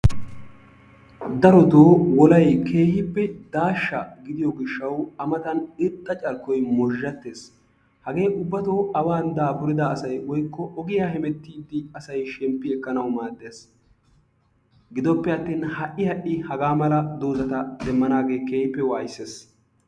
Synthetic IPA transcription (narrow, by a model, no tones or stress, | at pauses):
d̪ɐɾɔd̪oːwɔlɐjkʰe̞ːhɪpːɛd̪aːʃːɐɡɪd̪ɪjɔɡɪʃːɐwɐmɐt̪ɐnɪt̪ʼːɐt͡ʃʼɐɾkːɔjmɔʒːɐt̪ːe̞ːs | hɐɡe̞ːʔʊbːɐt̪oːɐwaːnd̪aːpʊɾɪd̪ɐːsɐjwɔjkːɔʔɔɡɪjaːhɛmɛt̪ːiːd̪ːɪɐsɐjʃɛmpːɪɛkːɐnɐwmaːd̪ːeːs | ɡɪd̪ɔpːɛɐt̪ːiːnhɐʔːɪhɐʔːɪhɐɡaːmɐlɐd̪oːzɐt̪ɐd̪ɛmːɐnaːɡe̞ːke̞ːhɪpːɛwaːjsːeːs